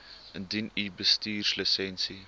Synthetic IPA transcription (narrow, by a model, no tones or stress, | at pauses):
əndinibəstiːrsləsɛnsi